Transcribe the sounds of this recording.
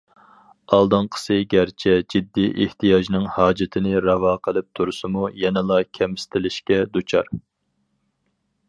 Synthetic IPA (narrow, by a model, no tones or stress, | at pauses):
ɑlˠd̪ɨŋqʰə̥sɨɡʲæɾt͡ʃʰɛd͡ʒid̪ːiʔeht̪ʰijɑʒnɨŋhɑːd͡ʒɪt̪ʰɪnɪɾɑvɑːqʰəlˠɨp̚t̪ʰuɾɨsɨmujɛnɪlˠɑkʲʰɛmsɪ̥t̪ʰɪlɪʃkʲɛd̪ut͡ʃʰɑɾ